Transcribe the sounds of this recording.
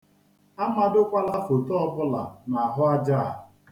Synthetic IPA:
a˦ma˦dʊ˦kʷa˦la˦fo˨tɔ˦ɔ˦bʊ˦la̰˨na˨a˨ɦʊ˦a˦d͡ʒa˦˨

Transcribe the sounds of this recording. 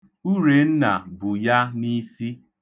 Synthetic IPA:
u˦ɾe˨n̩˦na̰˨bʊ˨ja˦ni˦si˦

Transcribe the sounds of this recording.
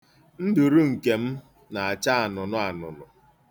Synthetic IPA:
n̩˦dʊ˨ɾu˦ŋ̩˨ke˨m̩˦ | na˨a˨t͡ʃa˦a˨nʊ˨nʊ˦a˨nʊ̰˨nʊ˨

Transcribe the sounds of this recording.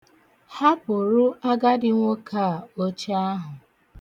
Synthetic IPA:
ha˦k͡pʊ˨ɾu˦a˦ɡa˦dɪ˦ŋʷo˦kʰa˦˨o˦t͡ʃa˦ɦʊ˨

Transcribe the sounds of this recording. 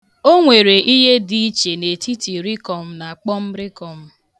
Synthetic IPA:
o˦ŋʷe˨ɾe˨ʔi˦ɦe˦di˦t͡ʃe˨ne˨ti˦ti˨ɾi˦kɔ˨m̩˦na˨k͡pɔ˦m̩˦ɾɪ˦kɔ˨m̩˦

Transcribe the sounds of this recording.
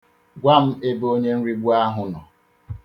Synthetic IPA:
ɡʷa˦m̩˦e˦bo˦ɲe˦n̩˦ɾi˦ɡ͡bu˦a˦ɦʊ˨nɔ˨

